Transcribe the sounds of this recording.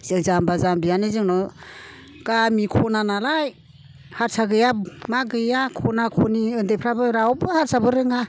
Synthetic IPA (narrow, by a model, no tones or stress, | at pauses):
z̥ɯŋzambazambijanɯzɯŋnɔ | ɡ̥amikʰɔnanalaj | haɾsaɡɯjamaɡɯjakʰonakʰɔniɯndejpʰɾabɯɾawbɯhaɾsʰabɯɾɯŋa